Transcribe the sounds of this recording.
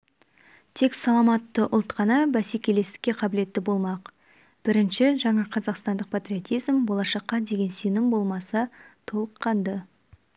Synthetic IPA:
t̪ʰe̞ksɑlˠɑmɑt̪ːəʔʊlˠt̪qʰɑnɑbæsekʲe̞le̞st̪ɪ̥kʲːe̞qʰɑbɪle̞t̪ːɪbo̞lˠmɑq | b̥ɪɾɪnʃɪʒɑɴɑqʰɑzɑqst̪ɑnd̪əq̚pʰat̪ɾʲio̞t̪ijzmbo̞lˠɑʃɑqːɑd̪e̞ɡʲe̞nsenɪmbo̞lˠmɑsɑt̪ʰo̞lˠəqːɑnd̪ə

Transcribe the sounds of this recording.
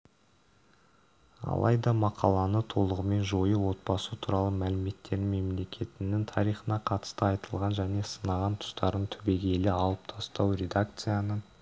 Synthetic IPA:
ɑ̰lˠʔɑ̰jd̪ɑmɑqʰɑlˠɑnət̪ʰo̞lˠəʁəme̞nʒo̞jəwo̞t̪̚bɑsət̪ʰuɾɑlˠəmælɪme̞t̪ːe̞ɾme̞mle̞kʲʰe̞t̪ɪnɪŋt̪ʰɑɾijχənɑqʰɑt̪ə̥st̪əɑjt̪əlˠʁɑnʒæne̞sənɑʁɑnt̪ʰʊ̥st̪ɑɾənt̪ʰʏbe̞ɡʲe̞lɪɑlˠəp̚t̪ʰɑst̪ɑwɾʲe̞d̪ak̚t̪sɨjanə

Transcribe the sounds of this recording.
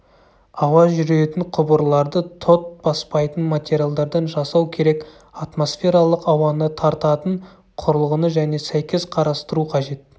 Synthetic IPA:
ɑwɑʒʏɾe̞t̪ɪɴqʰʊbəɾlˠɑɾd̪ət̪ʰo̞t̪̚b̥ɑspɑjt̪ənmat̪ʲe̞ɾʲijalˠd̪ɑɾd̪ɑnʒɑsɑwkʲʰe̞ɾe̞k | at̪mo̞sfʲe̞ɾɑlˠəqɑwɑnət̪ʰɑɾt̪ɑt̪əɴ | qʰʊɾəlˠʁənəʒæne̞sæjkʲe̞sqʰɑɾɑst̪əɾuqʰɑʒe̞t̪̚

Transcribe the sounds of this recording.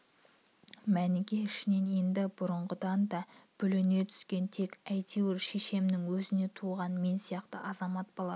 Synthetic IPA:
mænɪɡʲe̞ɪʃɪne̞nje̞nd̪ɪbʊɾəɴʁəd̪ɑnd̪ɑb̥ʏlɪne̞t̪ʰʏ̥skʲe̞nt̪ʰe̞kʲæjt̪ʰeweɾʃe̞ʃe̞mnɪŋwɵzɪne̞t̪ʰuʁɑnme̞nsijɑqt̪əʔɑzɑmɑt̪̚bolˠɑ

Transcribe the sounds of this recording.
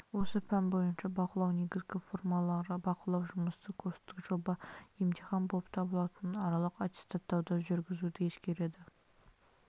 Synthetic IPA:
wo̞səpʰænbo̞jənʃɑbɑqəlˠɑwne̞ɡʲɪzɡʲɪfo̞rmɑɑɾbɑqəlˠɑwʒʊməst̪əkʲʰøst̪ɪkʒ̥o̞bɑjemt̪ʰiχɑnbop̚t̪ʰɑbəlˠɑt̪ənɑɾɑlˠəqat̪ʲe̥st̪at̪ːɑwd̪ɑʒʏɾɡʲɪzud̪ɪje̞skʲe̞ɾe̞d̪ɪ

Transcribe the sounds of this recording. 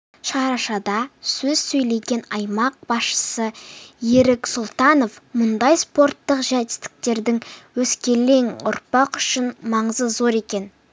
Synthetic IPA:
ʃɑɾɑʃɑd̪ɑsɵz̥sɵjle̞ɡʲe̞nɑjmɑq̚bɑsʃə̥səjeɾɪksʊlˠt̪ɑno̞fmʊnd̪ɑjspo̞rt̪ːəqʒæt̪ɪ̥st̪ɪ̥k̚t̪e̞ɾd̪ɪŋwɵskʲe̞le̞ŋʊ̰ɾpɑqʏ̥ʃɪnmɑɴəzəzo̞ɾe̞kʲe̞n

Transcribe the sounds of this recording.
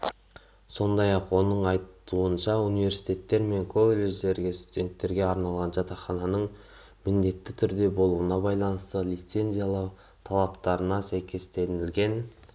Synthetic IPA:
so̞nd̪ɑjɑqwo̞nəɴɑjt̪uənʃɑunijve̞ɾsi̥jt̪e̞t̪ːe̞ɾme̞ŋkʰo̞lˠelʲe̞ʒd̪e̞ɾɡʲest̪ud̪ʲe̞nt̪ːe̞ɾɡʲe̞ɑɾnɑlˠʁɑnʒɑt̪ɑχɑnɑnəɴ | mɪnd̪e̞t̪ːɪt̪ʰʏɾd̪e̞bo̞lˠuənɑbɑjlˠɑnəst̪əlˠijt̪se̞nzʲijalˠɑw | t̪ʰɑlˠɑpt̪ɑɾənɑsæjkʲʰe̞st̪e̞nɪlɡʲe̞n

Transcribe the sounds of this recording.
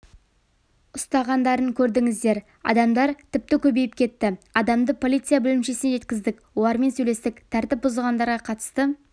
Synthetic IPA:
ʊst̪ɑʁɑnd̪ɑɾəŋkʲʰɵɾd̪ɪŋɪzd̪e̞ɾ | ɑ̰d̪ɑmd̪ɑɾt̪ʰɪp̚t̪ɪkʲʰɵbe̞jɪp̚kʲʰe̞t̪ːɪɑd̪ɑmd̪əpʰo̞lʲˠit̪sɨjabʏlɪmʃe̞sɪneʒe̞t̪kʲɪzd̪ɪkwolˠɑɾme̞nsɵle̞st̪ɪkt̪ʰæɾt̪ɪp̚bʊzəlˠʁɑnd̪ɑɾʁɑqʰɑt̪ə̥st̪ə

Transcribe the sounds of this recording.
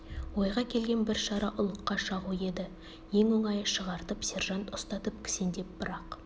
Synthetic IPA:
wo̞jʁɑkʲʰe̞lɡʲe̞nbɪɾʃɑɾɑʔʊlˠəqːɑʃɑʁue̞d̪ɪ | je̞ŋwoŋɑjəʃəʁɑɾt̪əpsʲe̞rʒɑnt̪ʊst̪ɑt̪əp̚kʲʰɪ̥se̞nd̪e̞p̚b̥ɪɾɑq

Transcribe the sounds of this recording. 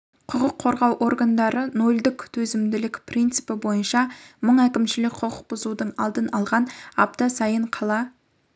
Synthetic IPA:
qʰʊqəqʰːo̞ɾʁɑwʔo̞ɾɡand̪ɑɾəno̞ld̪ɪkt̪ʰɵzɪmd̪ɪlɪkʲprʲint̪sɨpɪbo̞jənʃɑməɴækʲɪmʃɪlɪkʲqʰʊqʰəq̚bʊzud̪əɴɑlˠd̪ənɑlˠʁɑnɑp̚t̪ɑsɑjəɴqʰɑlˠɑ

